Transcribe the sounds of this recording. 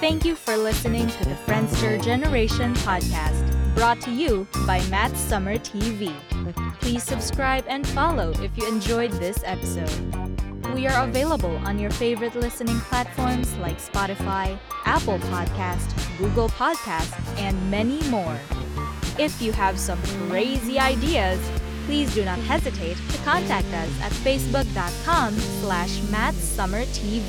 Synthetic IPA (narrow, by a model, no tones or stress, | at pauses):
θæ̃ŋkjɨfɔ˞lɪsɨnɪ̃ŋtʰɨðɨfɹɛ̃ndstə˞d͡ʒɛnə˞eɪʃɨ̃npʰɑd̚kʰæstb̥ɹɔtʰːɨjubaɪmætsʌmə˞tʰivi | pʰl̥iz̥sɨbskɹaɪbɨ̃nfɑlˠoʊʔɪfjɨɨ̃nd͡ʒɔɪd̪̚ðɪsɛpɨsoʊd̥̚wiə˞əveɪlˠəbəl̩ˠə̰̃njə˞feɪvə˞ɨtˡlɪsɨnɪ̃ŋpʰl̥ætfɔɹmz̥laɪkspɑɾɨfaɪʔæpl̩ˠpʰɑd̚kʰæstɡuɡl̩ˠpʰɑd̚kʰæstɨ̃nmɛnimɔɹ | ɪfjɨəv̥sʌ̃mkʰɹ̥eɪziaɪdiɨz̥pʰl̥izdɨnət̚hɛzɨtʰeɪtʰːɨkʰɑ̃ntʰæk̚tʌsɨ̰tfeɪsb̥ʊk̚d̥ɑt̚kʰɑ̃mslæʃmætsʌmə˞tʰi